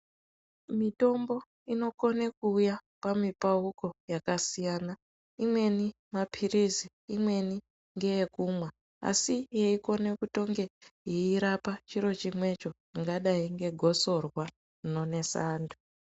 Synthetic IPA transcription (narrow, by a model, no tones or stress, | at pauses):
mito̞mbo̞ | ino̞ko̞nekuːjapamipauko̞jakasijaːna | imwe̞ni | mapʰiriziːmwe̞ni | ŋɡe̞jekumwa | a̰sijeiko̞ne̞kuto̞ŋɡe̞iiɾapat͡ʃiɾo̞t͡ʃimwe̞t͡ʃo̞ | iŋɡaɗaiŋɡe̞ɡʱo̞so̞rwa | no̞ne̞saːndu